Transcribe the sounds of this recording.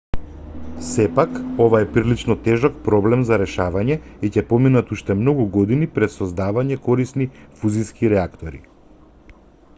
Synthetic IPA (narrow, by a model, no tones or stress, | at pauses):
sɛpakɔvaɛpɾilit͡ʃnɔt̪ɛʒɔk̚pɾɔblɛmzaɾɛʃavaɲɛicɛpɔminat̪uʃt̪ɛmnɔɡuɡɔd̪inipɾɛt̪sɔzd̪avaɲɛkɔɾisnifuziskiɾɛakt̪ɔɾḭ